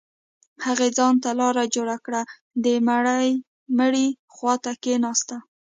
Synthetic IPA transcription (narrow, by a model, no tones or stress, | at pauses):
haɣed͡zɑnt̪alɑɾad͡ʒoɽakɽa | d̪əmaɽaj | məɽi | xwɑt̪akenɑst̪a